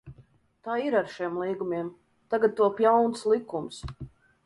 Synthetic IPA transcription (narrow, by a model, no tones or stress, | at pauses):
t̪aːiɾaɾʃimlˠiːɡumʲiɛm | t̪aɡad̪̚t̪uɔpʲjawnslˠikːums